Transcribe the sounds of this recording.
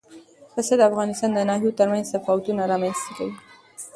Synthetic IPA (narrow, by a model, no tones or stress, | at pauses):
pəsed̪əafɣɑnɪst̪ɑnd̪ənɑɦut̪əɾmanzafawt̪unaɾɑmanz̥t̪aka̰wi